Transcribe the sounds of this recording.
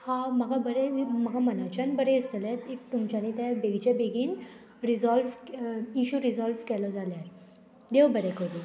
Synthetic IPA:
hãməɡabəɾeməɡʱamənat͡ɕanbəɾẽist̪əlɛt̪ift̪umt͡ɕanit̪ɛ̃beɡd͡ʑebeɡiːn | ɾizɔlʋiɕuɾizɔlʋkɛlɔd͡zalja | d̪eʋbəɾɛkəɾu

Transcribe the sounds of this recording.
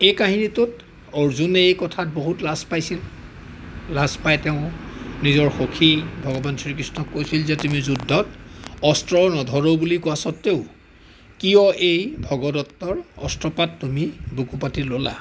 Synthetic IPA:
ejkaɦinitʊt | ɔɹzuneejkɔtʰat̚boɦutlaspajsil | lazpajtɛʊ̃nizɔɹxokʰibʱɔɡɔbansʰɹikɹisnɔkːojsilzetumizudʱːɔtɔstɹɔnɔdʱɔɹobulikuasɔtːeʊ | kijɔʔejbʱɔɡɔdɔtːɔɹɔ̰stɹɔpatːumibukupatilola̰

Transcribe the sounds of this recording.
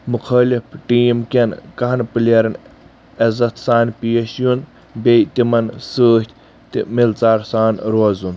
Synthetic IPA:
mukʰɐːlifʈiːmkʲenkɐɦɐnpɨlɐɾɐn | ɐzɐt̪saːnpijɐʃjun | bejt̪imɐnsəːt̪ʲʰ | t̪ḭmilt͡saːɾsaːnɾoːzun

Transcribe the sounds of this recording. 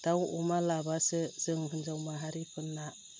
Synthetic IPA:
d̥awṵmalabasɯz̥ɯŋɦɯnzawmaɦaɾipʰɯnːa

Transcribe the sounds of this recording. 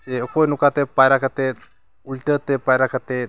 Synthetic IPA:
eəkojnukat̪epajɾakat̪e | ulʈət̪epajɾakat̪e

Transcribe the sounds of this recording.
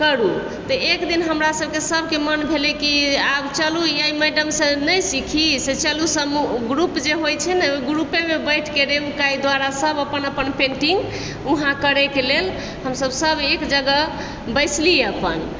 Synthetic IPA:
kəɾu | t̪əekd̪inɦəmɾasəb̚ʱkesəbʱkemənbʱelɛkiabt͡ʃəlujaiməjɖəmsẽnəjsikʰiset͡ʃəlusəmuɡɾupd͡ʒeɦojt͡ʃʰɛnɛɡɾupemebəɪʈʰkeɾeukajd̪waɾasəbəpənəpənpẽɳʈiŋɡ | uɦãkəɾɛkelel | həmsəbsəbʱekd͡ʒəɡə | bəjsliəpən

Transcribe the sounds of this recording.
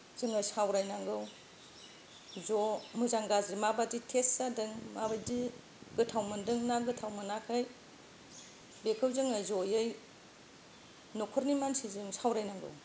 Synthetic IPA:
z̥ɯŋasawɾajnaŋɡɯw | zomɯzaŋɡazɾimabaditʰesːadɯŋmabajdi | ɡɯtʰawmɯndɯŋnaɡɯtʰawmɯnakʰaj | bekʰɯwzɯŋajzojɯj | nokʰɔɾnimansizɯŋsawɾajnaŋɡɯ̰w

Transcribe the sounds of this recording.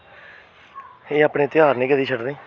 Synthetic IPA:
eːaːpɳeːt̪ɪjaːɾnĩːkəd̪iːt͡ʃʰəɖd̪eː

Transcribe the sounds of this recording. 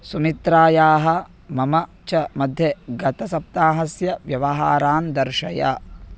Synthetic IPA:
sumit̪ɾaːjaːɦɐ̆ | mɐmɐ | t͡ʃɐmɐd̪ʱjɐɡɐt̪ɐsɐp̚t̪aːɦɐsjɐʋjɐʋɐɦaːɾaːnd̪ɐɾʃɐja̰

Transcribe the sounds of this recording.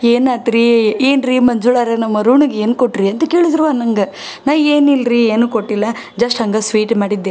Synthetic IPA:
eːnaːt̪ɾieːnɾimɐɲd͡ʒuɭaːɾenɐmːɐɾuːɳuɡeeːnkoʈːɾiɐnt̪ɐke̞ːɭid̪ɾuʋaːnɐŋɡɐ | naːʋeːnilɾieːnuːkoʈːilːɐ | d͡ʒɐsʈɦɐŋɡɐsʋiːʈmaːɽid̪ːeː

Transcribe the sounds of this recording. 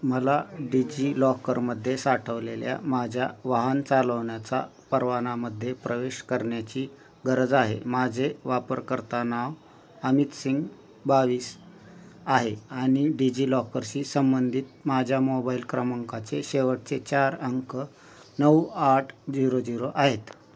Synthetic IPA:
məlaɖid͡ʑiːlɔkəɾməd̪ʱːjesaʈʰəʋlelja̰mad͡ʑʱjaʋaɦant͡saləʋɳjat͡sa̰ | pəɾʋanaməd̪ʱːjepɾəʋeɕkəɾɳjat͡ɕiː | ɡəɾəd͡zaɦḛmad͡zʱeʋapəɾkəɾt̪anaʋ | əmit̪siŋɡ | baʋiːs | aɦeaɽ̃iɖid͡ʑiːlɔkəɾɕiːsəmbənd̪ʱiːt̪mad͡ʑʱjamobailkɾəməŋkat͡seɕeʋəʈ̚t͡set͡ɕaɾəŋkə | nəwaʈʰd͡ziɾod͡ziɾoʔaɦet̪

